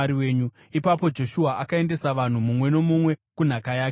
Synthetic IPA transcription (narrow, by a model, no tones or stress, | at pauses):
ɾiwe̞ːɲu | ipapo̞d͡ʒo̞ʃuaʔakae̞nde̞saʋan̤umumwe̞no̞mumwe̞kun̤akajaːk